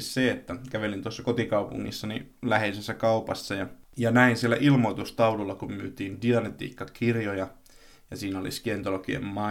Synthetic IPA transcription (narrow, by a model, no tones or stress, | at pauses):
sseet̪ːækæʋelint̪uosːɑkot̪ikɑupṵŋːḭsːɑnilæheisesːækɑupɑsːɑjɑjɑnæinsielːæʔilmoit̪ust̪ɑululːɑkummyːt̪iːndiɑnet̪ḭːkːɑkirjojɑ | jɑsiːnolḭskient̪olokiḛmmɑ